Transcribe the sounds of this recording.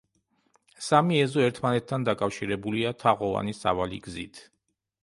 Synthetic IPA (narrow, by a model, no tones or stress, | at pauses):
samiɛzɔɛɾt̪ʰmanɛt̪̚ʰːand̪akʼafʃiɾɛbuliat̪ʰaʁɔva̰nisa̰valḭɡzḭt̪ʰ